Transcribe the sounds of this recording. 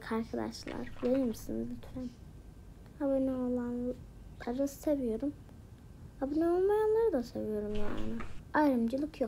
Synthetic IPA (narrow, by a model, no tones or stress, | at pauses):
kʰaɾkad̪a̰ʃlˠa̰ɾj̪ajɯmɯsɯnb̪yt̪ʰɾɛn | abanɛolˠan | aɾassevijo̞ɾum | abunɛolˠmajanlˠaɾɯd̪asevijo̞ɾumja̰ːnɪajɾɯmd͡ʒɯlˠɯkʰjo